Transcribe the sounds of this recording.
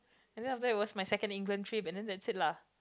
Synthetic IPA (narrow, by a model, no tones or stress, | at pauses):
ɛ̃ndɛ̃naftəit̚wɔsmajsɛkə̃ndĩŋɡlə̃ntʰɹipɛ̃ndɛ̃ndɛtsit̚la